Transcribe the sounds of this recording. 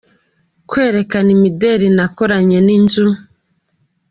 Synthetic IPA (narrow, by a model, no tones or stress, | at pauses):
kwe̞ːɾe̞kanimideɾinakoɾaɲe̞ninzuu